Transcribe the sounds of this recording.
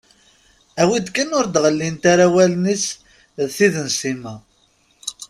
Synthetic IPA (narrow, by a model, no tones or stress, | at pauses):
æwid̪kænʊɾd̪ʁəlːint̪aɾawælnis | ðθiðənsimæ